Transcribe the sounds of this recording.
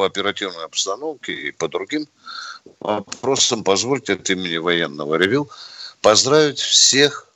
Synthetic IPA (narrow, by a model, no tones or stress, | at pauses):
əɐpʲɪɾɐtʲivnəjɐpst̪ɐno̞fkʲɪḭpəd̪ɾʊɡʲim | ɐ̰pɾo̞səmpɐzvo̞lʲtʲɪɐt̪imʲɪnʲɪvɐjenːəvəɾʲɪvʲilˠpɐzd̪ɾavʲɪtʲfsʲe̞x